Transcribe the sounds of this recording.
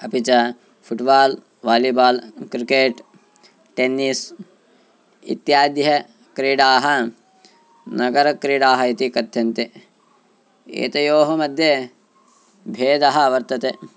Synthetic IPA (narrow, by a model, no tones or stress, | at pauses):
ɐpit͡ʃɐ | fʰuʈbaːl | ʋaːlibaːlkɾikeːʈ | ʈenːis | ḭt̪jaːd̪jɐ | kɾiːɖaːɦɐ | nɐɡɐɾɐkɾiːɖaːɦɐit̪ikɐd̪ʱjɐnt̪e | ḛːt̪ɐjoːɦɐmɐd̪ʱjɐ | bʱeːd̪ɐɦɐɐʋɐɾt̪ɐt̪e